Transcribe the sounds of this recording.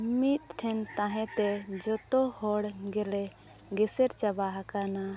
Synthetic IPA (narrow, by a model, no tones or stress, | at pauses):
mit̪̚ʈʰɛnt̪ãɦɛ̃t̪ɛd͡ʒɔt̪ɔhɔɽɡɛlɛ | ɡɛsɛɾt͡ʃabaɦakana